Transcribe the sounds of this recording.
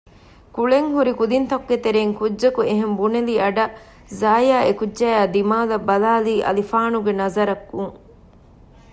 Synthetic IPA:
kuɭeŋhuɾikud̪int̪ɐkuɡet̪eɾeːŋkudʒɐkueɦembuneliɐɖɐ | zaːjaːekudːʒæːjaːd̪imaːlɐbːɐlaːliːʔɐ̰lifaːnuɡenɐzɐɾɐkːuŋ

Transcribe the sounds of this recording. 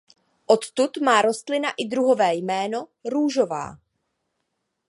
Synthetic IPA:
ʔo̞t̪t̪ut̪maːɾo̞st̪lɪnaʔɪd̪ɾuɦo̞vɛːjmɛːno̞ɾuːʒo̞va̰ː

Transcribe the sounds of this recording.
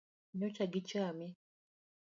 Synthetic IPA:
ɲot͡ʃaɡit͡ʃami

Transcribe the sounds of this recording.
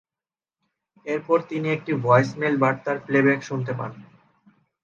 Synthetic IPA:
eɾpɔɾt̪iniek̚ʈibɔesmelbaɾt̪aɾplebekʃunt̪epa̰n

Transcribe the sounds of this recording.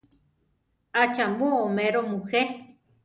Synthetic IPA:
at͡ʃambuomẽɾomuhe

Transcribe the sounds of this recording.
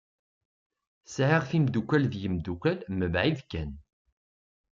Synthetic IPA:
sʕiʁθimd̪ukʷːælðjəmd̪ukʷælməbʕiðkːæn

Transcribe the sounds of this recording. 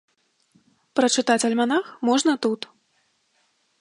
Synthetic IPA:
pɾɐt͡ʂɨt̪at͡sʲɐlʲmanaxmɔʐnɐt̪ut̪

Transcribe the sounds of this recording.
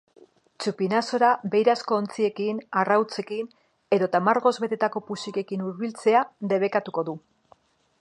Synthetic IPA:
t͡ʃupinaso̞ɾaβe̞jɾasko̞ːnt͡sie̞kinarawt͡se̞kin | e̞ðo̞t̪amaɾɣo̞zβe̞t̪e̞t̪ako̞pusike̞kinuɾβilt͡se̞ad̪e̞β̞e̞kat̪uko̞ðu

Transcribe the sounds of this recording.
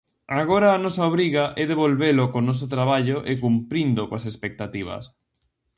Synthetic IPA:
aɣ̞oɾaːnɔsaoβɾiɣaʔɛðeβolβelokonɔs̬ot̪ɾaβaʎoʔekumpɾind̪okoas̬espek̚t̪at̪iβ̞ɐ̰s

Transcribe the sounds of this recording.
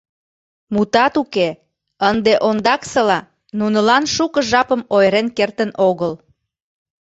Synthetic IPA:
mut̪ɑt̪uke | ənd̪eʔond̪ɑksəlɑ | nunəlɑnʃukəʒɑpəmojɾenkert̪ənʔoɣəl

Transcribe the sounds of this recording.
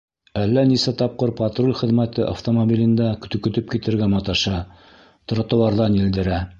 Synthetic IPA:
ælːænisæt̪ɑp̚qɤɾpɐt̪rolʲχɘ̆ðmæt̪ɘʔa̰ft̪omobʲilʲɘ̆nd̪ækt̪ɵ̆kɵ̆t̪ɵp̚kit̪ɘ̆ɾɡæmɑt̪ɑʃɑ | t̪̆ɾɑ̆t̪ŏw̪ˠɑɾðɑnild̪ɘ̆ɾæ

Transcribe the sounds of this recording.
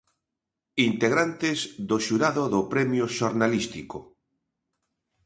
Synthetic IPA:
int̪eɣɾant̪ezðoʃuɾaðoðopɾemjoʃoɾnalist̪iko

